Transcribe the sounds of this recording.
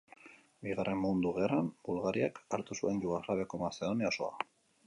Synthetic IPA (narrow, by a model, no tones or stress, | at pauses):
biɣare̞mmund̪uɣe̞ranbulɣaɾiakaɾt̪usue̞nʎuɣaɣlaβeako̞mase̞ð̞o̞niaoso̞a̰